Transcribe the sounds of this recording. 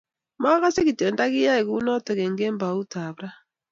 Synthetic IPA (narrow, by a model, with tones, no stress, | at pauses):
ma˦ɣa˦se˦ki˨te˨n˦da˦ɣi˦ja˦e˨ɣu˦nɔ˦te˨ɣe˨ŋ̩˨ɡe˦m˦ba˨u˦ta˨bɾa˦